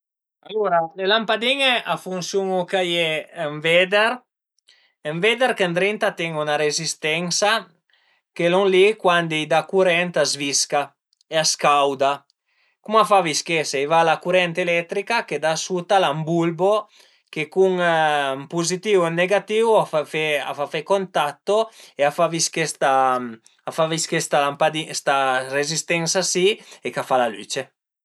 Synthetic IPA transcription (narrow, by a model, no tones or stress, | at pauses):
aloɾalelampad̪iŋeʔafunsjuŋukajeːɱvɛd̪eɾ | eɱved̪eɾkend̪ɾint̪at̪ɛŋunaɾezist̪ɛŋsa | keloŋlikwand̪ijd̪akuɾɛnt̪azviska | easkawd̪a | kumafaviskesɛjvalakuɾɛnt̪elɛt̪ɾikaked̪asut̪alambulbo | kekuŋ | puzit̪iwenːeɡat̪iwafafea̰fafekont̪at̪ːoeafaviskest̪a | afaviskest̪alampad̪ist̪aɾezist̪ɛnsasiekafalaly̰t͡ʃe